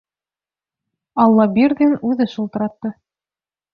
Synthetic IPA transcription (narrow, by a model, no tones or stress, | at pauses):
ɑlˠːɑbiɾɡɘnʉðɘʃulˠt̪ɤ̆ɾɑt̪ːɤ